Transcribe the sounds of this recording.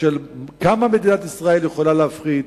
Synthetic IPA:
elkamame̞d̪inat̪isʁae̞ljeχo̞laleafχi

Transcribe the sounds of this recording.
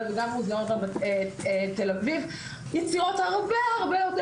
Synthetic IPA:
veɡamuzaot̪abaeet̪elaviv | jɛt͡siʁot̪haʁbeaʁbejot̪

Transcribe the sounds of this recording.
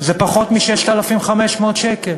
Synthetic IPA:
zepaχo̞t̪miʃeʃt̪alafimχameʃmoːd̪ʃekel

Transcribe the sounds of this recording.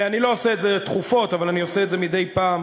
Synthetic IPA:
anilo̞oseetzet̪χufo̞t̪avalanioseetzemid̪e̞jpaːm

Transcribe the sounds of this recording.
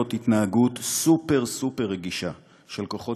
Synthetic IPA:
otitnaaɡutsupe̞ʁsupeʁːeɡiʃa | ʃe̞lkoχo̞

